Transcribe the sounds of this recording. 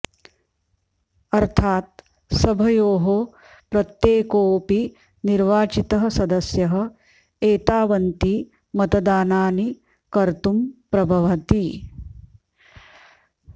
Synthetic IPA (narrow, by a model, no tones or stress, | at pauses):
ɐɾt̪ʰaːt̪̚ | sɐbʱɐjoːɦo | pɾɐt̪jeːkoːpi | niɾʋaːt͡ʃit̪ɐɦɐ̆sɐd̪ɐsjɐɦɐ̆ | eːt̪aːʋɐnt̪i | mɐt̪ɐd̪aːnaːni | kɐɾt̪umpɾɐbʱɐʋɐt̪i